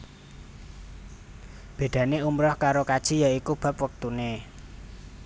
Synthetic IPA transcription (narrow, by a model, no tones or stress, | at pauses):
b̥e̤d̪̥ä̤neumɾɔhkaɾokad̥ʒ̥i̤jaikub̥ä̤pwək̚t̪une